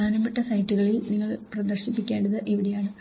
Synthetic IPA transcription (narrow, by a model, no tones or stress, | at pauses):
aːnɐmɐʈːɐsɐjtːuɣɐɭilniŋːɐɭprɐd̪ɐrɕipːikʲːe̞ːɳɖɐðɨʔeʋiɽejaːɳɨ